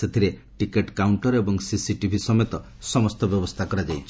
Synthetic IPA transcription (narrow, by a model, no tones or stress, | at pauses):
et̪ʰiɾe | ʈikeʈkawɳʈɔɾebɔŋsisiʈibʱisɔmet̪ɔ | sɔmɔst̪ɔbjɔbɔst̪ʰakɔɾad͡ʒajt͡ʃʰi